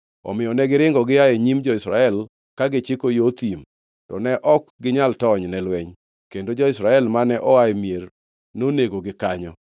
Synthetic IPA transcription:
ɔ̰mɪjɔnɛɡɪɾɪŋɡɔɡɪjaeɲimd͡ʒɔɪsɾa̰ɛl | kaɡɪt͡ʃɪkojot̪im | tɔ̰nɛʔɔkɡɪɲaltɔɲnɛlwɛɲ | kendod͡ʒɔɪsɾaɛlmanɛʔɔamjer | noneɡoɡɪkaɲɔ

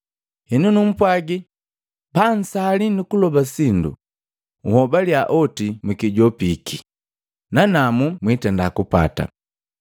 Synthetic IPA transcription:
hɛnunum̩pwaɡi | pan̩salinukulɔbasindṵ | uhɔbaljaʔɔtimukiɟɔpikʰi | nanamumwitɛndakupa̰ta̰

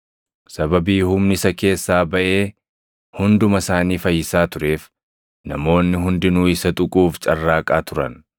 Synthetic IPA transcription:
sɐbɐbiːhʊmnɪsɐke̞ːsːaːbɐʔe̞ː | hʊnd̪ʊmɐsaːniːfɐjɪsaːt̪ʊɾe̞ːf | nɐ̰mo̞ːnːɪɦʊnd̪ɪnuːɪsɐt̪ʼʊkʼuːft͡ʃʼɐrːaːkʼaːt̪ʊɾɐ̰n

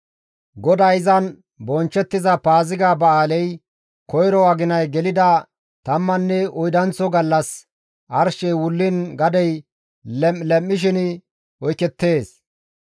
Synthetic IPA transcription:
ɡɔd̪ɐjzɐn | bɔnt͡ʃːɛt̪ːɪzɐpaːzɪɡaːbɐaːlɛj | kɔjɾɔwaɡɪnɐjɡɛlɪd̪ɐ | t̪ɐmːɐnːɛɔjd̪ɐnt͡sɔɡɐlːɐs | ʔɐɾʃɛjwʊlːɪnɡɐd̪ɛj | lɛlɛmːɪʃ̬ɪn | ɔjkːɛt̪ːe̞ːs

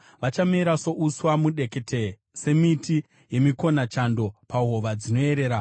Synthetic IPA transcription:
ʋat͡ʃamiɾaso̞ʔuswamuɗe̞ke̞te | se̞miti | je̞miko̞nat͡ʃando̞paɦoʋad͡zino̞e̞ɾe̞ːɾa

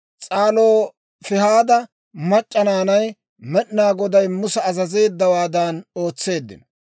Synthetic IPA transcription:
t͡sʼaːloː | fɪɦaːd̪ɐ | mɐt͡ʃʼːɐnaːnɐj | mɛɗnaːɡɔd̪ɐjmʊsɛːzɐze̞ːd̪ːɐwaːd̪aːno̞ːt͡sːe̞ːd̪ːɪ̰n

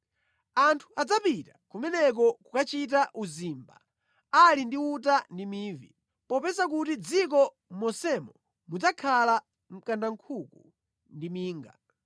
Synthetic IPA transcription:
antʰu̥ad͡zapitḁkumɛnɛk̬ɔkukat͡ʃit̬aʔuzimba̰ | alindiut̬andimiːvḭ | pɔpɛsak̬utid͡zik̬ɔ | mɔsɛmɔ | mud͡zakʰala | m̩kandaŋ̩kʰuku | ndimiːŋɡa̰

